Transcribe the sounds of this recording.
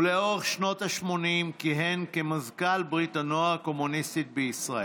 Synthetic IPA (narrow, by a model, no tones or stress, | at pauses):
leo̞ʁeχʃno̞thaʃmo̞nimkiɦenkemazkalbʁitanoako̞munist̪it̪̚beisʁae